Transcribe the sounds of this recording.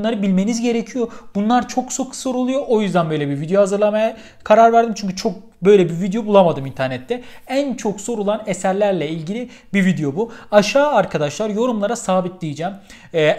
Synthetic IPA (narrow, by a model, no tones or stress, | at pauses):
lˠaɾɯbilʲme̞nizɟe̞ɾecʰijo̞b̥unlˠaɾt͡ʃʰo̞kso̞kʰso̞ɾulˠujo̞ʔojyzd̪ænbø̞jlʲebivid̪ejohazɯɾlˠamaja | kʰaɾaɾvæɾd̪imt͡ʃʰyɲcʰyt͡ʃʰo̞k̚ | bø̞jlʲɛbivid̪ejo̞bulˠamad̪ɯmint̪ʰæɾnɛt̪ʰːɛænt͡ʃʰo̞kso̞ɾulˠanesæɾlʲæɾlʲɛilʲɟilʲi | bivid̪ejo̞buaʃaːaɾkʰad̪aʃlˠaɾjo̞ɾumlˠaɾasaːbit̪̚d̪ʲijid͡ʒɛːmː